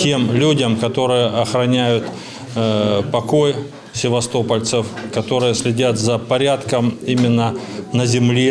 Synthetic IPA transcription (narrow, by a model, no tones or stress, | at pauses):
tʲe̞mlʲudʲəmkɐt̪o̞ɾɨjəʔɐxɾɐnʲæjʊt̪ | pɐko̞j | sʲɪvɐst̪o̞pəlʲt̪sɨfkɐt̪o̞ɾɨjəsʲlʲɪdʲat̪zəpɐɾʲat̪kəmimʲɪnːənəzʲɪmlʲe